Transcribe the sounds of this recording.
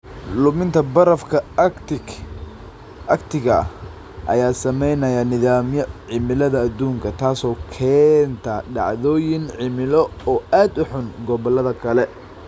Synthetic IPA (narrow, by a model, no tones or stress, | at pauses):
lʊmɪnt̪ʰɐbɐɾɐfkʰɐt | ʔɐkt̪ʰɪɣɐ | ʔɐ̰jaːsɐmɛjnɐjɐnɪðaːmjɐʕɪmɪlɐðɐːd̪uːŋkʰɐt̪ʰaːsɔːkʰɛːnt̪ʰɐɖɑ̰ʕðɔːjɪŋʕɪmɪlɔɔːaːd̪ʊħʊnɡɔβɐlɐðɐkʰɐlɛ